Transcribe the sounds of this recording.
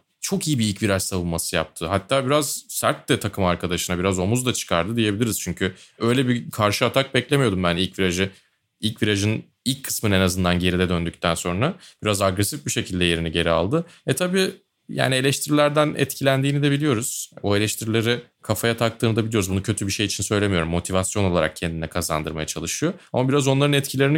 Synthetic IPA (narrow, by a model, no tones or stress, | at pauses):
t͡ʃʰo̞kijibiilʲcviɾat͡ʃsavɯnmasɯja̰p̚t̪ʰɯɦat̪ʰːaːbiɾaz̥sæɾt̪lɛt̪ʰakʰɯmaɾkʰad̪aʃɯnabiɾazo̞muzd̪at͡ʃʰɯ̥kʰaɾd̪ɯd̪ije̞bilʲiɾiz̥t͡ʃʰyɲcʰyø̞jlʲɛbikʰaɾʃɯat̪ʰak̚bɛclʲemijo̞d̪umbænilʲcviɾaʒɯ | ilʲcviɾaʒɯn | ilʲcʰːɯ̥smɯnenazɯnd̪anɟe̞ɾid̪ɛd̪ønd̪yct̪ʰænso̞nɾab̥iɾazaɡɾɛsifbiʃe̞cʰilʲd̪ɛje̞ɾiniɟe̞ɾia̰lˠd̪ɯvɛt̪ʰabiː | ja̰ːnie̞lʲɛʃt̪ʰiɾilʲæɾd̪ænɛ̰t̪cʰilʲænd̪iːnid̪ɛbilʲijo̞ɾuz̥oelʲɛʃt̪ʰiɾilʲe̞ɾikʰafajat̪ʰak̚t̪ʰɯːnd̪abilʲio̞ɾuzbunucʰø̞t̪ʰybiʃe̞jit͡ʃʰinsø̞jlʲemijo̞ɾumːo̞t̪ʰivasjo̞no̞lˠaɾa̰k̚cʰɛnd̪inɛkʰaza̰nd̪ɯɾmaja̰t͡ʃʰalˠɯʃɯjo̞amabiɾazo̞nlˠaɾɯnɛt̪cʰilʲe̞ɾini